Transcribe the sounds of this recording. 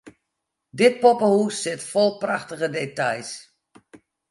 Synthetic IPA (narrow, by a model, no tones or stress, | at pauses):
dɪt̚popəhusːɪtfɔlˠpraxtəɣədetajs